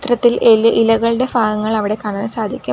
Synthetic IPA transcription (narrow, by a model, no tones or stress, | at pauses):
t̪rɐt̪ːilʔelʔilɐɣɐɭɨɽe̞faːɣɐŋːɐɭɐʋiɽe̞kɐɳɐnɨsaːd̪ʱikʲːu